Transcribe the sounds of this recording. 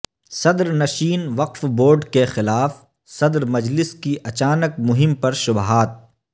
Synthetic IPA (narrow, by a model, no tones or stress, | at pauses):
sɐd̪ɾnɐʃiːnʋɐqfboːɾɖkexɪlaːf | sɐd̪ɾmɐd͡ʒlɪskiʔɐt͡ʃaːnək̚mʊɦɪmpɐɾʃʊbɦaːt̪̚